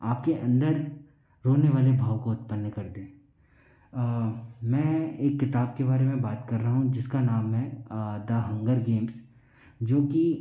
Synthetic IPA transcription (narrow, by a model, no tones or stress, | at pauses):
aːp̚keʔɐ̃nd̪əɾ | ɾoːneʋaːlebʱaːʋkoʊt̪pənːkɐɾd̪ẽː | mɛ̃ːeːkːɪt̪aːbkebaːɾemẽbaːt̪kɐɾːaɦaɦũd͡ʒɪskanaːmɦɛ̃d̪aːɦə̃ŋɡəɾɡeːms | d͡ʒoːki